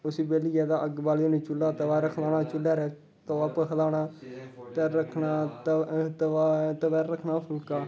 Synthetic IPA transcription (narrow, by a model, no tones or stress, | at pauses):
ʊsiːbeːliːɛːd̪aːʔəɡbaːlːoːneːt͡ʃʊlːaːt̪əʋaːɾəkʰlaːnaːt͡ʃʊlaːɾɛː | t̪oːaːpəkʰəlaːnaːt̪ɛːɾəkʰnaːt̪t̪ət̪əʋɛːɾːəkʰnaːpʰəlkaː